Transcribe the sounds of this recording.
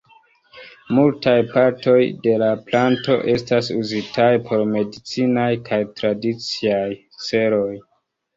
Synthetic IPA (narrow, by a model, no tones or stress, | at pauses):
multajpaɾto̞jde̞laplanto̞ʔe̞stasuzitajpʰo̞ɾme̞dit͡sinajkʰajtɾadit͡siaj | se̞ɾo̞j